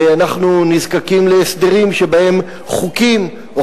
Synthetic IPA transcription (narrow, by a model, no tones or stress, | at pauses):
janaχnunizkakimleːsd̪e̞ʁimʃe̞bae̞m | χukim | o